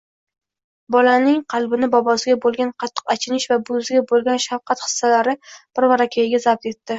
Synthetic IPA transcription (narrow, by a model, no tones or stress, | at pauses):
bɒlanɪŋqʰɑlˠbɪnɪbɒbɒsɪɡʲabolˠɡʲanqʰɑt̪ʰːɨ̥qat͡ʃʰɪnɪʃvabʊzɪɡʲabolˠɡʲanʃafqʰɑt̪χɨ̥sːalaɾɪb̥ɪɾmaɾakʲʰajɪɡʲazab̚t̪e̞t̪ːɪ